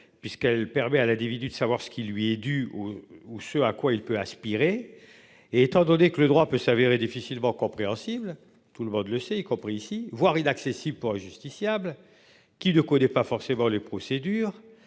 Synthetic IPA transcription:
pɥiskɛlpɛʁmɛalɛ̃d̪ivid̪yd̪əsavwaʁsə̥kʲilɥiɛd̪yousəakwailpøaspiʁe | eːt̪ɑ̃d̪ɔnekələd̪ʁwapøsaveʁed̪ifisilmɑ̃kɔ̃pχeɑ̃sibl | t̪uləmɔ̃d̪ləsɛikɔ̃pχiːsivwaʁinaksesibləpuʁɛ̃ʒyst̪isjabl | kʲinəkɔnɛpafɔʁsemɑ̃lepχɔsed̪yːʁ

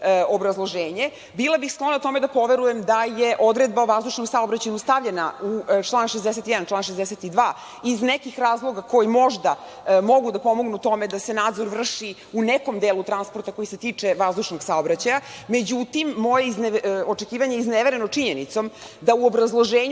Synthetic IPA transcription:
obɾazlˠo̞ʒeːɲe | bilˠabixsklo̞nat̪o̞me̞d̪apo̞ʋeɾuje̞md̪ajeʔo̞d̪ɾed̪̚baoʋazd̪uʃno̞msaobɾat͡ɕaɲust̪aʋʎena̰ut͡ʃlˠaːnʃezd̪eset̪ijɛd̪ant͡ʃlˠaːnʃ̬ezd̪eset̪id̪ʋaː | iznekixɾaːzlˠo̞ɡako̞jimo̞ʒd̪a | mo̞ɡud̪apo̞moɡnut̪o̞med̪ase̞naːd̪zo̞ɾʋr̩ʂi | uneko̞md̪eːlut̪ɾanspo̞ɾt̪ako̞jiset̪iːt͡ʂeʋazd̪uʃnoɡsaobɾat͡ɕajame̞d͡ʑut̪imːo̞jeizot͡ʂekiːʋaɲejizneʋeɾenot͡ʂiɲenit̪so̞md̪auobɾazlˠoʒeːɲ

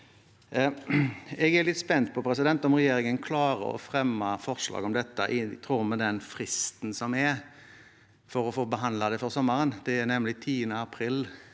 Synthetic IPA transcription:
ɛɡɛɾlɪt̪spɛnt̪̚pʰɔpʰɾɛs̬ɪd̪ɛnt̪ɔmʁɛjeːɾɪŋənkʰlɑːɾə̰ɔ̰fɾɛmːɑfɔʁʂlɑ̰ːɡɔmd̪ɛt̪ːəʔɪt̪ʰɾuːʁməd̪ɛnfɾɪst̪nsɔmɛɾ | fɔɾɔfoːbəɦɑnlɑd̪ɛfɔʁsɔmːəɾənd̪̥ɛːɾnɛmlɪt̪ʰiːənəɑpʰɾɪl

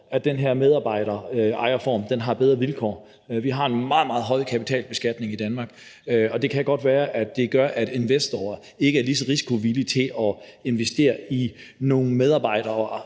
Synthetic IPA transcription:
æd̥enɦeɐmeðˠɑ̈ːb̥ɑ̈ɪ̰ɾ̥ɐɑ̈ɪɐfɒ̰ːmd̥enɦɑ̈b̥eð̞ˠʁɐʋilkʰɒ̰ː | ʋiɦɑ̈e̝nmɑ̈ːð̩ˠmɑ̈ːðˠɦɒ̽ɪ̰kʰæpi̥t͡sʰɛ̰ːlb̥e̝sɡ̥æd̥ne̝ŋid̥ænmɑ̈ːɡ̥ɒ̽d̥e̝kʰæɡ̥ɒ̽d̥ʋæːɐʔæd̥ːe̝ɡ̥ɶɐʔæd̥e̝nʋesd̥oɐ | e̝ɡ̥əæɐlisɒ̽ʁisi̥kʰo̝ʋilit͡sʰe̝lɒ̽e̝nʋesd̥e̝̰ːɐi | no̝ːŋ̩með̞ˠɑ̈ːb̥ɑ̈ɪ̰ɾ̥ɐː

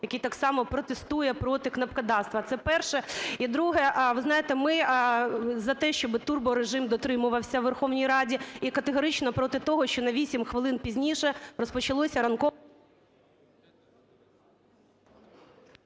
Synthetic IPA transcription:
jɐkʲijt̪ɑksɑmɔpɾɔt̪est̪ujɛpɾɔt̪ɪknɐpkɐd̪ɑst̪ʋɐt̪sɛpɛrʃɛid̪ɾuɦɛʔʋɪznɑjet̪ɛmɪ | zɐt̪ɛʃt͡ʃɔbɪt̪urbɔɾeʒɪmd̪ɔt̪ɾɪmʊʋɐwsʲɐʋʋerxɔwnʲijɾɑdʲiikɐt̪eɦɔɾɪt͡ʃnɔpɾɔt̪ɪt̪ɔɦɔʃt͡ʃɔnɐʋʲisʲimxʋɪlˠɪnpʲizʲnʲiʃɛrɔspɔt͡ʃɐlˠɔsʲɐɾɐnkɔ

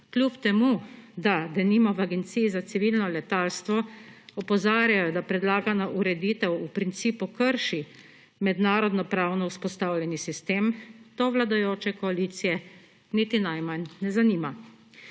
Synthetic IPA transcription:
klʲupt̪ɛmud̪ad̪ɛnimɔʋaɡɛnt̪sijːzat̪siʋilnɔlɛt̪alst̪ʋɔɔpɔzaːɾjajɔd̪apɾɛd̪laːɡanaʔuɾɛd̪iːt̪ɛwupɾint̪siːpukəɾʃi | mɛd̪naːɾɔd̪nɔpɾaːwnɔuspɔst̪awlʲjɛnisist̪eːmt̪oːʋlad̪ajoːt͡ʃɛkɔaliːt̪sijɛ | nit̪inajmanːɛzaniːma

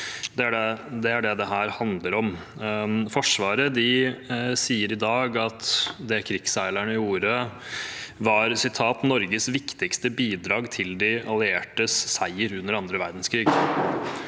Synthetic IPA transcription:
d̪ɛæɖɛd̪ɛæɖɛd̪ɛɦæːɾhɑnd̪ləɾɔm | fɔʂʋɑːɾəd̪ɪ | siːəɾɪd̪ɑːɡɑt̪d̪ɛkʰɾɪksæɪlæɳəɪjuːɾə | ʋɑɾsɪt̪ʰɑːt̪nɔɾɡəsʋɪkt̪ɪkst̪əbiːd̪ɾɑːɡt̪ʰɪld̪ɪʔɑlˠɪeːʈəssæɪəɾʉnːəɾɑnd̪ɾəʋæɾd̪n̩skʰɾiːɡ

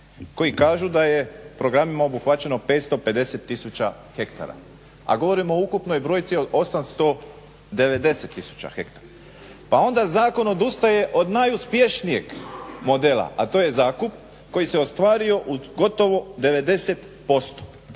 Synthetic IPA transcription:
ko̞jikaːʒud̪aje̞pɾo̞ɡɾamimaobuxʋat͡ɕe̞no̞pe̞ːt̪st̪o̞pe̞d̪e̞set̪ːisut͡ɕaxe̞kt̪a̰ɾa̰ | a̰ɡo̞ʋo̞ɾimoukupno̞jbɾo̞jt̪sio̞d̪o̞samst̪o̞ | d̪e̞ʋe̞d̪e̞se̞t̪ːisu̥t͡ɕa̰xe̞kt̪aɾa | pao̞nd̪azaːko̞no̞d̪ust̪aje̞ʔo̞d̪najuspje̞ʃnije̞ɡmo̞d̪e̞ːlˠa̰ʔat̪o̞ːje̞zaːkup̚ | ko̞jise̞o̞st̪ʋaːɾio̞ʔuɡo̞t̪o̞ʋo̞d̪e̞ʋe̞d̪e̞set̪ | po̞st̪o̥

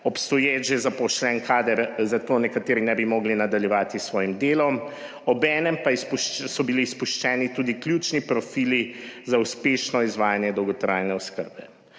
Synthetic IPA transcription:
ɔpst̪ɔjet͡ʃjɛzapɔʃlɛnkʰad̪əɾzat̪oːnɛkat̪eːɾinɛbimɔːɡlinad̪aljɛʋaːt̪isʋɔːjimd̪eːlɔm | ɔbɛːnɛmpaispuʃsɔbilispuʃt͡ʃɛːnit̪uːd̪iklʲjuːt͡ʃnipɾɔfiːlizauspeːʃnɔizʋaːjanjɛd̪ɔwɡɔt̪ɾaːjnɛɔskə̰ɾbɛ

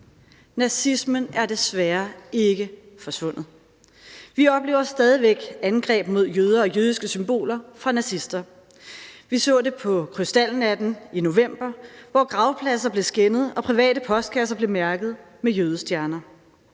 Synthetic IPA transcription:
næsismənæɐd̥e̝sʋæːɐe̝ɡ̥ə | fɒ̽sʋɔ̽n̰ð̩ˠ | ʋiɒ̽b̥le̝ːʊɐsːd̥ɛːð̞ˠiʋeɡ̥ænɡ̥ʁɛ̰ːb̥mo̝ð̞̰ˠjøːð̞ˠɐɒ̽jøð̞ˠisɡ̥əsymb̥o̝̰ːlɐfʁɑ̈næsisd̥ɐ | ʋisɔ̰̽ːd̥e̝pʰɒ̽kʰʁysd̥æln̩æd̥n̩ino̝ʋem̰b̥ɐʋɒɡ̥ʁɑ̈ʊpʰlæs̬ɐb̥le̝sɡ̥enəð̞̩ˠɒ̽pʰʁiʋɛ̰ːɾəpʰɒ̽sd̥̚kʰæsɐb̥le̝mæɐɡ̥ð̞̩ˠ | mejøːðˠsd̥jæɐnɐ

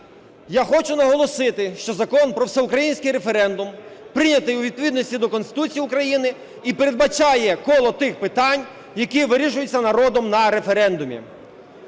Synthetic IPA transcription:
jaxɔt͡ʃʊnɐɦɔlˠɔsɪt̪ɪʃt͡ʃɔzɐkɔnpɾɔwsɛʊkɾɐjinʲsʲkɪjɾe̞feɾɛnd̪ʊmpɾɪnʲɐt̪ɪjʊʋʲid̪̚pɔʋʲid̪nɔsʲtʲid̪ɔkɔnst̪ɪ̥t̪ut͡sʲijiukɾɐjinɪ | ipeɾe̞d̪̚bɐt͡ʃɑjɛkɔlˠɔt̪ɪxpɪt̪ɑnʲ | jɐkiʋɪɾʲiʃʊjʊt͡sʲːɐnɐɾɔd̪ɔmnɐɾe̞feɾɛnd̪ʊmʲḭ

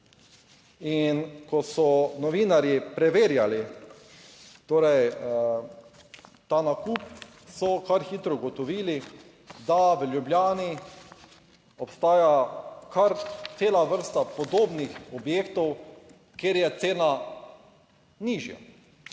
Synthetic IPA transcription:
inkɔsɔnɔʋiːnaɾjipɾɛʋeːɾjali | t̪oːɾɛj | t̪aːnakuːp | sɔkaɾxiːt̪ɾɔɡɔt̪ɔʋiːli | d̪aʋəljubljaːni | ɔpst̪aːjakaɾt̪seːlaʋəɾst̪apɔd̪oːbnixɔbjeːkt̪ɔw | keɾjɛt̪seːna | niːʒja̰

